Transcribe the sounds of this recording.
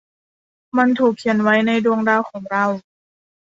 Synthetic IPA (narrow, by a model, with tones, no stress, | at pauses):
ma˧˥nt̪ʰuː˨˩k̚ʰːi˨˩˦ənwa˦˥jna˧˩jdu˧əŋdaː˧˩wkʰɔː˩˦ŋɾa˧w